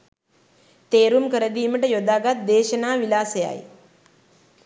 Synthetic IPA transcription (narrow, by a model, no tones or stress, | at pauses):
t̪eːɾumkəɾɐd̪iːməʈɐjod̪aɡat̪̚d̪eːʃɐnaːʋilaːsɐja̰j